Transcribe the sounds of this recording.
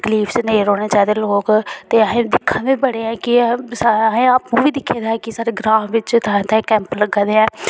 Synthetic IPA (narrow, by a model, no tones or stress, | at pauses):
ɡəliːfsneːɾɔːneːt͡ʃaːid̪eːloːkt̪eːəɦẽːd̪ɪkʰːãːʋiːbəɽeːɛ̃ːkɪsɦẽːaːpnũːʋiːd̪ɪkʰːeːd̪aːɛkɪsaːɾeːɡɾaːmʋɪt͡ʃt̪aːẽːt̪ãkɛ̃ːmpləɡãːd̪eːɛ̃ː